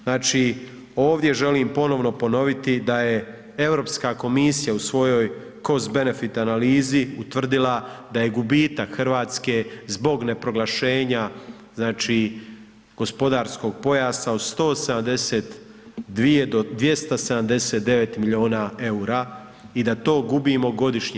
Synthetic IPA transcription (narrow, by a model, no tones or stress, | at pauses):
znaːt͡ʃi | o̞ːʋd̪je̞ʒe̞limpo̞no̞ʋno̞po̞no̞ʋit̪id̪aje̞ | evɾo̞ːpskako̞misijausʋo̞jo̞j | ko̞zbe̞ne̞fit̪analiːziut̪ʋr̩d̪ilad̪aje̞ɡubiːt̪akxrʋaːt̪ske̞zbo̞ɡne̞pɾo̞ɡlaʃe̞ːɲa | znaːt͡ʃi | ɡ̥o̞spo̞d̪aːɾsko̞ɡ̚po̞jaːsaod̪st̪o̞ːsed̪amd̪e̞seːt̪ | d̪ʋie̞d̪od̪ʋje̞st̪ase̞d̪amd̪e̞seːt̪̚d̪e̞ʋe̞t̪miʎio̞ːnae̞uɾaː | id̪at̪o̞ːɡubimo̞ɡo̞d̪iʃɲe